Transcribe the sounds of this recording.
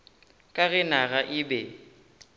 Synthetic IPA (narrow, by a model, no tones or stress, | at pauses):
kʼaɣɪnaɣaʔɪbɛ